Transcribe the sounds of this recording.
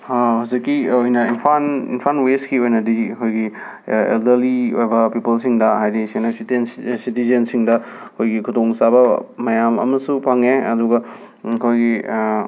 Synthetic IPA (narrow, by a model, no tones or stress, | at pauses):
hawzikːiojnɐinpʰanḭnpʰanweskiojnɐdiɐkʰojɡi | ḛldɐɾliojbɐpipɐlsiŋdɐɦajdisenɐstnsitizensiŋdɐɐkʰojɡikʰutoŋsabɐmɐjamɐ̰mɐsupʰaŋeɐ̰duɡɐ | kʰojɡi